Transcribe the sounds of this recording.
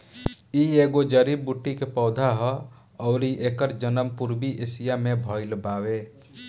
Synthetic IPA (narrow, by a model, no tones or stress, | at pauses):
ieːɡod͡ʒəɾibuʈːikepɔːd̪ʱaɦɔ | ɔːɾiʔeːkəɾd͡ʒənəmpuɾbiʔɪsijamẽbʱɔːɪlbaːʋeː